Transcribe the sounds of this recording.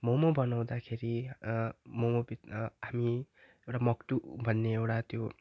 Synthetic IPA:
momobʱʌnaw̃d̪akʰeɾi | momobit̪ɦami | ewʈamʌkʈubʱʌnːeewʈat̪jo

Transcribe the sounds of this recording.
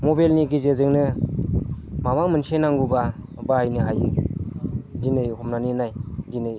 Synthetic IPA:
mɔbalniɡizezɯŋnɯ | mamaŋmɯnsenaŋɡuba | baajnɯɦajɯ | d͡ʒinɯjhɔmnaninajd͡ʒinɯj

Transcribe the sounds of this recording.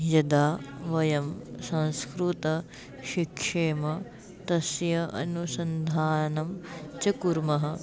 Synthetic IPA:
jɐd̪aːʋɐjɐmsɐ̃nskɾut̪ɐ | ʃikʂeːmɐ | t̪ɐsjɐɐ̰nusɐnd̪ʱaːnɐmt͡ʃɐkuɾmɐɦɐ̆

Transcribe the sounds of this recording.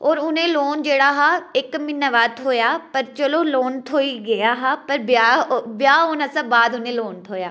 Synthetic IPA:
ɔːɾʊnẽːloːnd͡ʒeːɽaːɦaːɪkmɪnːaʋaːt̪ʰɦoːjaːpəɾt͡ʃəloːloːnt̪ʰoːiɡəjaːɦaːpəɾbaːbjaːoːnəsãːbaːd̪ʊnẽːloːnt̪ʰoːja̰ː

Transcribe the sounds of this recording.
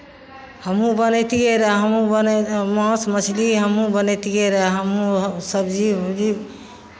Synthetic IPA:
həmũbənet̪ikeɾəɦəmũbənmə̃smət͡ʃʰliɦəmũbənɛt̪ikeɾaɦɦəmũsəbd͡ʒid͡ʒi

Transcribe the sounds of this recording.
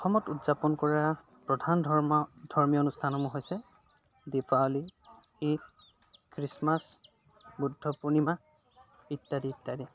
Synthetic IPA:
ɔxɔmɔtutz̥apɔnkɔɹa | pɹɔdʱand̥ʱɔɹmijɔonustʰanɔmuɦojsɛ | dipʰaoli | it̚ | kɹismas | budʱːɔpunima | itːadiːtːadi

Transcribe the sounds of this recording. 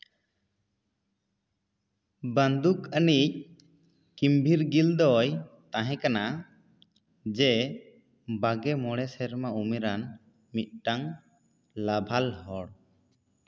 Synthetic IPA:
bənd̪ukənic̚ | kimbʱiɾɡild̪ɔjt̪aɦɛ̃kana | d͡ʒɛ | baɡɛmɔɽɛsɛɾmaumiɾan | mit̪̚ʈaŋ | labʱalhɔɽ

